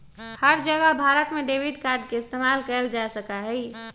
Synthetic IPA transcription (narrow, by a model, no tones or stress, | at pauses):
həɾd͡ʒəɡəɦbʱaːɾət̪mẽɖeːʋɪd̪kaːɾɖ̚keɪst̪eːmaːlkəəld͡ʒasəkaɦɛi